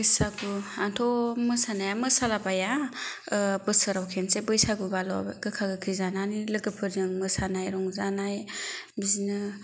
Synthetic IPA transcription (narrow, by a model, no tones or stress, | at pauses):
ɯjsaɡuantʰɔmɯsanajamɯsalabaja | bɯsɯɾawkʰensebɯjsaɡubalɔ̰ɡɯkʰaɡɯkʰizananilɯɡɯpʰɯɾzɯŋmɯsanajɾɔŋzanaj | bizinɯ